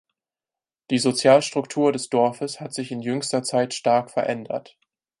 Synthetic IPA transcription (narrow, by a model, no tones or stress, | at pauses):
d̥iːzot͡sjaːlʃtʁ̥ʊktʰuːɐdɛsd̥ɔɐfəshatz̥ɪçɪnjʏŋstɐt͡saɪtʃtaɐkfɛɐʔɛndɐ̰t